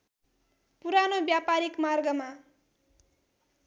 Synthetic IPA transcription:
puɾanobjapaɾikmarɡʌma

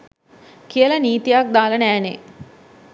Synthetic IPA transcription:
kijələniːt̪ijak̚d̪aːlənæːnḛ

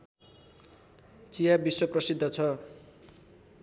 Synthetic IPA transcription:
t͡sijabiswʌprʌsid̪ʱːʌt͡sʰʌ

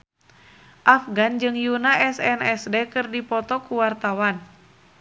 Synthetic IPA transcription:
ʔafɡand͡ʒɨŋjunaʔɛsɛnɛsdekɨrdipɔt̪ɔkuwart̪awan

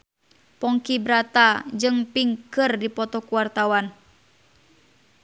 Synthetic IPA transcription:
pɔŋkibɾat̪ad͡ʒɨŋpiŋkɨrdipɔt̪ɔkuwart̪awan

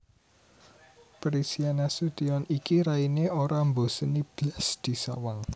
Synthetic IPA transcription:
pɾisianasud̪̥iɔnikiɾaineoɾambosənib̥lasd̪̥i̤sa̰waŋ

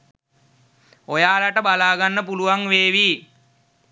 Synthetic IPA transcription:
ojaːlaʈəbalaːɡanːəpuluʋaŋʋeːʋiː

